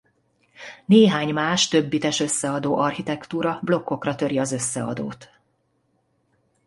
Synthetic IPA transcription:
neːɦaːɲmaːʃt̪ø̞bːit̪ɛʃø̞sːɛɒd̪oːʔɒrhit̪ɛkt̪uːɾɒblo̞kːo̞krɒt̪ø̞ɾiɒzø̞sːɛ̰ɒ̰d̪o̰ːt̪

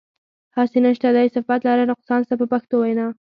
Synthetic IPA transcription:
hɑsenəʃt̪ad̪ɑjsafat̪lɑɾanʊq̚sɑnsapəpaxt̪owajnɑ

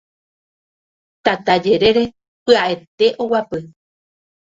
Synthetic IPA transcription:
t̪at̪ad͡ʒe̞ɾe̞ɾe̞ | pɨaʔe̞t̪e̞ʔowapɨ

